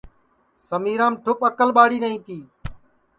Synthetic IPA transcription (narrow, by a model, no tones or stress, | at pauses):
səmiːɾãːmʈʰʊpəkəlɓaːɽiːnəɦĩːt̪iː